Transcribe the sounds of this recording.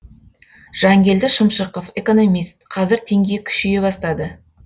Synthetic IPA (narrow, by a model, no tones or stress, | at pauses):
ʒ̥ɑŋɡʲe̞ld̪ɪʃəmʃəqofe̞ko̞no̞mijst̪qʰɑzɪɾt̪ʰe̞ŋɡʲekʲʰʏ̥ʃije̞bɑst̪ɑd̪ə